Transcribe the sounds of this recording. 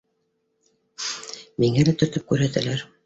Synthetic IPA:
miŋælæt̪ɵ̆ɾt̪ɵp̚kʉɾhæt̪ælæɾ

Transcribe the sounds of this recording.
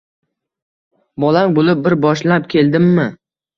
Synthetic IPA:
bɒlaŋbolɪp̚bɪɾbɒʃlap̚kʲʰe̞ld̪ɪmːɪ

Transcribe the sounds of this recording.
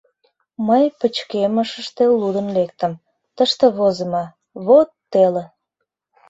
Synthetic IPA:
məjpət͡ɕkeməʃəʃt̪elud̪ənlek̚t̪əm | t̪əʃt̪eβozəmɑ | βot̪ːele

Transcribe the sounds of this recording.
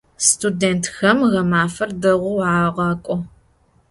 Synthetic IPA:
stʰudeːntʰxɐmɣɐmaːfɐrdɐʁʷʊwʕaːʁɑːkʷʼɔ

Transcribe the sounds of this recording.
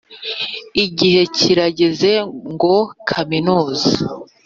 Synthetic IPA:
iɟihe̞ciɾaɟe̞ze̞ŋɡo̞kʰaminuːza

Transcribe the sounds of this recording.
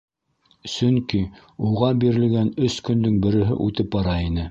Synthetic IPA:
sɵŋki | uʁɑbiɾɘ̆lɡænɵskɵ̆nd̪ɵŋbɘ̆ɾɘ̆ɦɘ̰ʔʉt̪ɘp̚bɑɾɑinɘ

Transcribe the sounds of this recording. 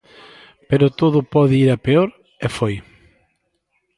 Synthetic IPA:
peɾʊt̪oðʊpɔðɪiɾɐpeoɾ | efoj

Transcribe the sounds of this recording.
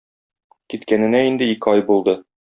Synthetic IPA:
kit̪kænɘ̆næind̪ɘikɘɑjbulˠd̪ɤ

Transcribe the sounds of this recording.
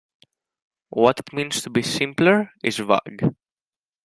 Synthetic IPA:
wɔt̪ɪt̪mĩːnst̪ubisɪ̃mpləɹɪzva̰ɡ

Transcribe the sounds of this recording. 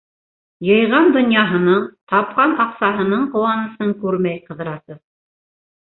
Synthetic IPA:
jɤ̆jʁɑnd̪ŏnjɑɦɤ̆nɤɴt̪ɑp̚qɑnɑqsɑɦɤ̆nɤɴqŏwɑnɤ̆sɤŋkʉɾmæjqɤ̆ðɤ̆ɾɑsɤð

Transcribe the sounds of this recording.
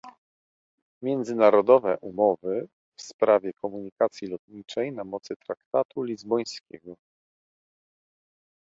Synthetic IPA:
mʲjɛnd̪zɘnaɾɔd̪ɔvɛ̰ʔumɔvɘ | fspɾavʲjɛkɔmuɲikat̪sʲjilɔt̪̚ɲit͡ʂɛjnamɔt̪sɘt̪ɾakt̪at̪ulʲizbɔj̃skʲɛɡɔ

